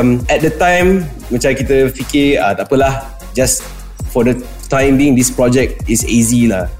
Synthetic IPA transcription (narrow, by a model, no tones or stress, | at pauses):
mɛt̚dətãj̃m | mə̃nt͡ʃaɾikit̪əfikeat̪apəlah | d͡ʒas | fɔdə | tãj̃mbĩŋdispɹɔd͡ʒɛk̚tisḛzila